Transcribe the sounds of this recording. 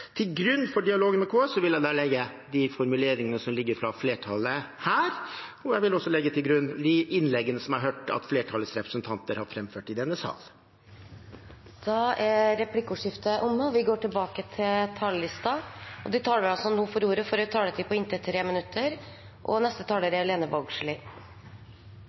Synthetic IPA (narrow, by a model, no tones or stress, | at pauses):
t̪ʰɪlɡɾʉnːfɔɖɪɑloːɡənmɛkʰoːsɔʋɪljæɪd̪ɑːlɛɡːə | d̪ɪfɔɾmʉleːɾɪŋənəsɔmlɪɡːəɾfɾɑfleːʈʰɑləhæːɾɔjæɪʋɪlɔsːɔlɛɡːət̪ʰɪlɡɾʉnːd̪ɪʔɪnlɛɡːənəsɔmɑɾɦøːʈɑ̰t̪fleːʈʰɑləsɾɛpɾə̥sənt̪ʰɑnt̪əɾhɑɾfɾɛmføːʈɪd̪ɛnːəsɑ̰ːl | d̪̥ɑːæɾɛpʰlɪkːəuːʂɪft̪əʔʊmːəɔʋɪɡoːʈɪlbɑːkət̪ʰɪlt̪ʰɑllɪst̪ɑɔ̰d̪ɪt̪ʰɑːləʋɪɑlsɔnuːfɔɾuːɾəfɔɾt̪ʰɑːlət̪ʰipʰɔɪnt̪ət̪ʰɾeːmɪnʉt̪ʰːəɾ | ʔɔ̰nɛst̪ət̪ʰɑːləɾæleːnəbɑɡʂɭɪ